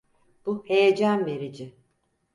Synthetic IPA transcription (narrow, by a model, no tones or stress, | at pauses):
b̥uhe̞jed͡ʒanve̞ɾid͡ʒɪ